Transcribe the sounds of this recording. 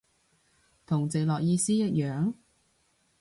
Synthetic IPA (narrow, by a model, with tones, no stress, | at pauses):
t̪ʰʊ˨˩ŋt͡se˨lɔː˨k̚jiː˧siː˥jɐ˥t̚jœː˨˧ŋ